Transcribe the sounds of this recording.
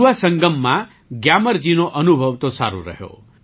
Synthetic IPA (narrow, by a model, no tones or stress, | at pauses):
asəŋɡəmːa | ɡjaməɾd͡ʒinoʔʌnubʱʌʋt̪osaɾṵɾə̰ɦjo̰